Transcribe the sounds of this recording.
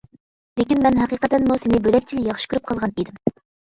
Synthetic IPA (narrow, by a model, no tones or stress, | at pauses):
lekʲinmɛnɦæqiqət̪ːɛnmusɪnɪbølɛkʲt͡ʃʰiljɑχʃɨ̥kʲyɾyp̚qʰɑlˠʁɑnid̪ɪm